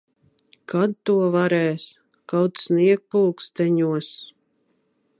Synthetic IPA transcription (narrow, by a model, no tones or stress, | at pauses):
kʰad̪̚t̪uɔvaɾɛːs | kawt̪sniɛk̚pulˠkst̪ɛɲuɔs